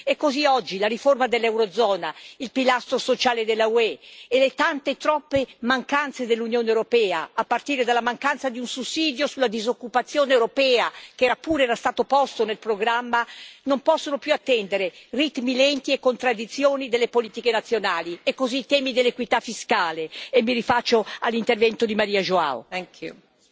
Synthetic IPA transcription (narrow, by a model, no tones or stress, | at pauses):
ɛkːoziɔd͡ʒːilaɾiformad̪elːɛwɾod̪zɔːnailpilast̪ɾosot͡ʃaːled̪elːauɛelet̪ant̪et̪ɾɔpːemaŋkant̪sed̪elːunjoːneewɾopɛːa̰apːart̪iːɾed̪alːamaŋkant̪sad̪iunsusiːd̪josulːad̪izokːupat̪sːjoːnewɾopɛːakɛːɾapuːɾɛːɾast̪aːt̪opɔst̪onelpɾoɡɾamːanompɔsːonopjuat̪ːɛnd̪eɾerit̪milɛnt̪iekːont̪ɾad̪ːit̪sːjoːnid̪elːepoliːt̪ikenat̪sːjonaːliekːoziːt̪ɛːmid̪elːekwit̪afːiskaːleemːiɾifat͡ʃːoalːint̪ervɛnt̪od̪imaɾiːaʒoa̰o̰ku